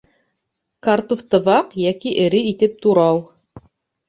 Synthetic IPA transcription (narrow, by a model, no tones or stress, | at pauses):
kɑɾt̪uft̪ɤ̆βɑqjækiʔɘ̆ɾɘit̪ɘp̚t̪uɾɑw